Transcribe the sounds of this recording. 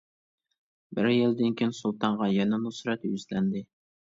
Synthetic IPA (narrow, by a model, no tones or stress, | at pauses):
bɪɾjɪld̪ɪnkʲʰinsulˠt̪ʰɑɴʁɑjɛnɛnusɾɛt̪jyzlɛnd̪ɪ